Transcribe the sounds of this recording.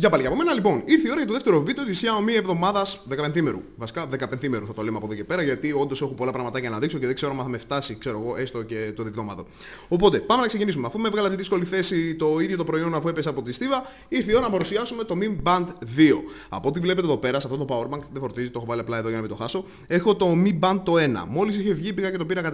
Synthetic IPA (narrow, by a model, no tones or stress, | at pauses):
ʝɐpɐlicɐpo̞me̞nɐlipo̞niɾθio̞ɾɐʝɐt̪oðeft̪e̞ɾovid̪eot̪isçɐomievðo̞mɐðɐsðe̞kɐpenθime̞ɾṵvɐsi̥kɐðe̞kɐpenθime̞ɾuθɐt̪o̞lemeɐpoðo̞cepe̞ɾɐʝɐt̪io̞nd̪o̞sexupo̞lɐpɾɐɣmɐt̪ɐcɐnɐðikso̞ceðeɡse̞ɾoɐmɐθɐmeft̪ɐsikse̞ɾo̞eɣo̞ʔe̞st̪o̞ce̞t̪oðivðomɐðo | opo̞t̪e̞pɐme̞nɐkse̞cinisumeɐfumevɣɐlɐpt̪iðisko̞liθe̞sit̪o̞iðʝo̞t̪o̞pɾo̞io̞nɐfue̞pesɐpo̞t̪ist̪ivɐ | iɾθioɐnɐpɐɾusiɐsume̞t̪o̞mimbɐnd̪ðio̞ | ɐ̰po̞t̪ivle̞pe̞t̪eðo̞pe̞ɾɐsɐft̪ot̪opawoɾmɐŋkðefo̞ɾt̪izit̪o̞xovɐliɐplɐeðo̞ʝɐnɐmit̪o̞xɐso̞ | e̞xo̞t̪o̞mibɐnd̪̚o̞e̞nɐ̰mo̞lis̬içevʝipiɣɐce̞t̪o̞piɾɐkɐt̪